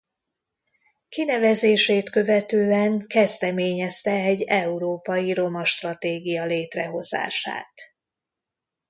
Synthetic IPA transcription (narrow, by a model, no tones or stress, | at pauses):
kinɛvɛzeːʃeːt̪kø̞vɛt̪øːɛŋkɛzd̪ɛmeːɲɛst̪ɛɛɟːɛuɾoːpɒjiɾo̞mɒʃt̪rɒt̪eːɡijɒleːt̪rɛɦo̞z̥a̰ːʃa̰ːt̪